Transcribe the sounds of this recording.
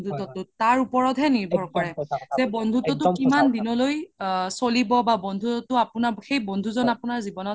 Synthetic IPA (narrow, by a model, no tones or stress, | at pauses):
dʱutɔtʊtaɹupɔɹɔtɦɛniɹbʱɔɹkɔɹɛz̥ɛbɔndʱutɔtʊkimandinɔlojsolibɔbabɔndʱutɔtʊapʊnaxejbɔndʱuzɔnapʊnaɹzibɔnɔt